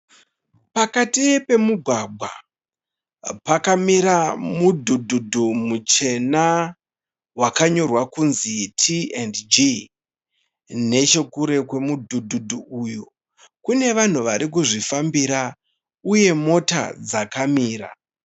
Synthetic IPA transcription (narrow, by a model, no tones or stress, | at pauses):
pakatiepe̞muɡʱwaɡ͡bʱwa̰ | pakamiɾamudʱudʱudʱumut͡ʃe̞na | wakaɲo̞rwakunzitʰiendd͡ʒi | ne̞t͡ʃe̞kuɾe̞kwe̞mudʱudʱudʱuujo | kune̞ʋan̤uʋaɾik̬uʐifambiɾa | uje̞mo̞ta̰d͡zakamiːɾa̰